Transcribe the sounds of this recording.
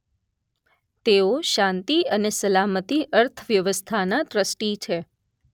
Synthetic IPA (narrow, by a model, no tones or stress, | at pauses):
t̪eoʃãnt̪iənesəlamət̪iʔəɾt̪ʰəʋjəʋəst̪ʰanat̪ɾəsʈit͡ʃʰe